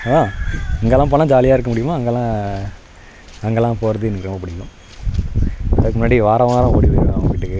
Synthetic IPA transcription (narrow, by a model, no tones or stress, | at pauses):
ɐŋɡɐlːãːp̬oːnãːd͡ʒaːlɪjaːɪɾɯkːɐmʊɽɪjɯmaːɐŋɡɐɛlːãː | ɐŋɡɐɛlːãːpoːɾɐðɯɪnːɯkːɾɔmbɐpʊɽɪkːʊ̃ | ðaːðkːɯmʊnːaːɽiʋaːɾɐ̃ʋaːɾɐ̃oːɽiʋɐ̃ɐʋɐŋɡɪʈːɯkːɯ